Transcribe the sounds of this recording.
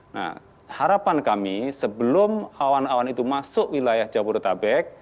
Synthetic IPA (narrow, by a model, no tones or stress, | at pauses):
na̰h | haɾapankamisəbəlʊmawanawanit̪umasʊʔwilajahd͡ʒaburt̪abɛk̚